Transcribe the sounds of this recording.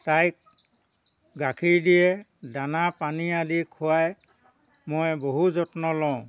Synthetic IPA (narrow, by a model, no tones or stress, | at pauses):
tajk̚ | ɡakʰiɹdijɛdanapanialikʰuaj | mojboɦuzɔtnɔlɔʊ̃